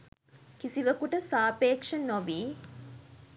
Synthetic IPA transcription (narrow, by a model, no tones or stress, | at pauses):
kisiʋəkuʈəsaːpeːkʂənoʋiː